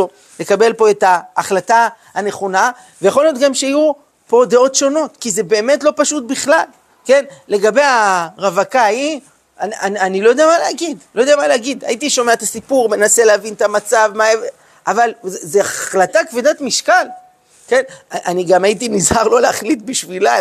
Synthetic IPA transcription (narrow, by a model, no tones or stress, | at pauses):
o | lekabe̞lpo̞e̞taːχlatahane̞χo̞na | vejaχo̞lijo̞t̪ɡamʃeaju | po̞d̪eo̞tʃo̞no̞t̪kize̞be̞ːme̞tlo̞paʃut̚biχlal | ke̞nle̞ɡabe̞jaʁavakaji | anananilojodeamaleaɡidlo̞jodeamaleaɡid̪a̰it̪iʃo̞meaet̪asipuʁme̞naseleavint̪amat͡savmaev | ʔavalzzeaχlatakvidatmiʃkal | ke̞naniɡamait̬inizhaʁlo̞leaχlitbiʃvila